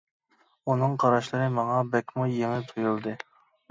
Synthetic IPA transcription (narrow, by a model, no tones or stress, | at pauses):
unɨŋqʰɑɾɑʃlˠɨɾɨmɑŋɑbɛkʲmujeŋɪt̪ʰojulˠd̪ɨ